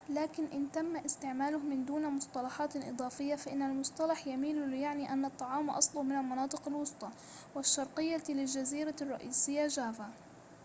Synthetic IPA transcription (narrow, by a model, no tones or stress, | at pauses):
laːkɪnʔɪnt̪amːaʔɪst̪ɪʕmaːlʊhmɪnd̪uːnmʊst̪ˤɑlɑħɑːt̪ʔɨ̰d̪ˤɑːfɪjːafaʔɪnːalmʊsˤt̪ˤɑlɑħjamiːllɪjaʕniːʔanːɑt̪ˤːɑʕɑːwmʔɑ̰sˤlʊhmɪnalmɑnɑːt̪ˤɨqalwʊsˤt̪ˤɑ | wɪʃːɑɾˤqɨjːalɪld͡ʒaziːɾarˤːɑ̰ʔiːsɪjːaʒaːva